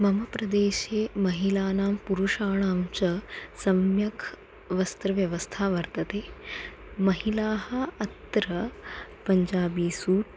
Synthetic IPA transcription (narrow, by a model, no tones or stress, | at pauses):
mɐmɐpɾɐd̪eːʃeːmɐɦilaːnaːmpuɾuʂaːɳaːmt͡ʃɐsɐmjɐkʰ | ʋɐst̪ɾɐʋjɐʋɐst̪ʰaːʋɐɾt̪ɐt̪eː | mɐɦilaːɦɐɐt̪ɾɐpɐɲd͡ʒaːbiːsuːʈ